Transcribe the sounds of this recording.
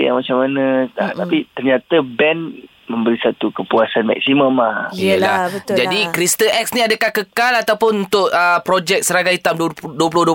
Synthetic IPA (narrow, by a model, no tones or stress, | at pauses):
ja̰ŋmat͡ʃamːanəat̪apit̪ərɲat̪abɛn | mə̃mbəɾisat̪ukəpuasanma̰k̚simə̃mahijəla̰hbət̪d͡ʒadikɾist̪əɛk̚sniadəkahkəkalat̪awpʊnunt̪ʊʔəpɾɔd͡ʒɛk̚səɾaɡajit̪amdduəp̬ulʊhduə